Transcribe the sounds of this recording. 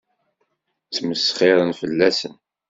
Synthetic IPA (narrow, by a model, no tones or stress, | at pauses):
t͡sməsχɪɾˤənfəlːæsən